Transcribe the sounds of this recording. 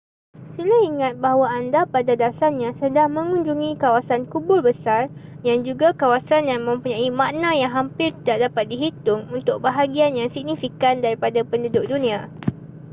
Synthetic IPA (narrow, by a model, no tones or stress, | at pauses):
silaiŋat̪̚baɦwaandapadadasarɲãsədaŋmə̃ŋũɲd͡ʒuŋĩkawasankubʊrbəsar | jand͡ʒuɡakawasanjaŋmə̃mpuɲãimaʔnãjaŋɦampɪrt̪idaʔ̚dapat̪̚diɦit̪ʊŋunt̪ʊk̚baɦaɡianjaŋsiɡ̚nifikandaɾipadapəndudʊk̚dunĩa